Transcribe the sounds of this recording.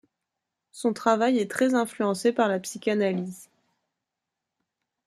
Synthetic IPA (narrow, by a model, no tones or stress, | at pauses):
sɔ̃t̪χavajɛt̪χɛzɛ̃flyɑ̃sepaʁlapsikʲanaliz